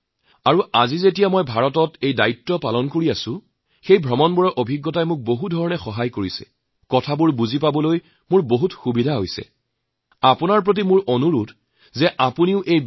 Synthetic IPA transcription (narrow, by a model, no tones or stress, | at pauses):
aɹuazizetijamɔjbʱaɹɔtɔtejdaitːɔpalɔnkoɹiasʊ̃ | xejbʱɹɔmɔnbɔɹɔʔobʱiɡːɔtajmʊk̚boɦudʱɔɹɔnɛxɔɦajkoɹisɛ̰ | kɔtʰabʊɹbuzipabɔloj | mʊɹboɦutxubidʱaɦojsɛ̰ | apʊnaɹp̬ɹot̬imʊɹʔonuɹut | zɛʔapuniʊʔej